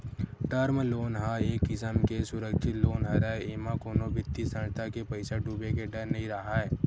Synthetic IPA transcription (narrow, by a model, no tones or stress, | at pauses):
ʈəɾmloːnɦaeːkːɪsəmkesʊɾəkʃʰɪt̪loːnɦaɾaeeːmãkoːnobɪt̪ːisə̃nt̪ʰakepɐɪsaɖuːbek̬eɖɐɾnɐɦĩɾɐɦaɦɛː